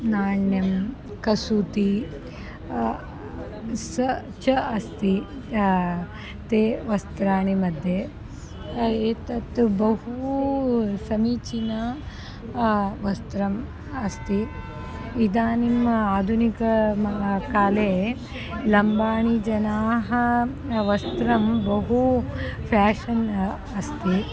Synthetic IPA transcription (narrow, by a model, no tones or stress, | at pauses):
naːɳjɐm | kɐsut̪i | sɐ | t͡ʃɐɐst̪i | t̪eːʋɐst̪ɾaːɳimɐd̪ʱje | eːt̪ɐt̪bɐhu | sɐmiːt͡ʃinɐ | ʋɐst̪ɾɐm | ɐst̪i | id̪aːnimaːd̪ʱunikɐ | kaːleː | lɐmbaːɳid͡ʒɐnaːɦɐ | ʋɐst̪ɾɐmbɐɦupʰaːʃɐn | ɐst̪i